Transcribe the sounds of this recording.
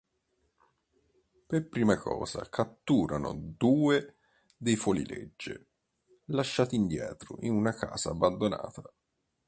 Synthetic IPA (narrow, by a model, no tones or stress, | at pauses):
perpɾiːmakʰɔ̰ːza̰kʰat̪ːuːɾʔano̰d̪uːe | d̪ejfolḭlḛd͡ʒːe | laʃːaːt̪ind̪jɛ̰ːt̪ɾʊ̰ʔinunaka̰ːzaːbːand̪ona̰ːt̪a